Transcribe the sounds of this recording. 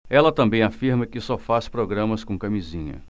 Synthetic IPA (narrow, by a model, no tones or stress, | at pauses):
ɛlɐt̪ɐ̃mbẽj̃afiɾmɐkɪsɔfaspɾoɡɾɐ̃mɐskõkɐmizĩɲɐ̰